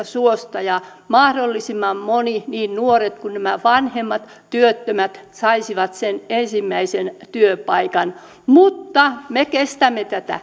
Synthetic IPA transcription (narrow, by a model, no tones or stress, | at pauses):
suost̪ɑjɑ | mɑhdolːisimːɑmmoniniːnnuoret̪kunnæmæʋɑnhemːɑt̪ | t̪yøt̪ːømæt̪sɑisiʋɑt̪senensimːæisent̪yøpɑikɑn | mut̪ːɑmekest̪æmːet̪æt̪æ̰